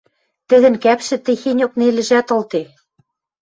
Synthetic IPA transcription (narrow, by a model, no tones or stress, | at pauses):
t̪ɘ̆ðɘ̆nkæpʃɘ̆t̪ɘ̆xenʲok̚nelɘ̆ʒæt̪ŏlˠt̪e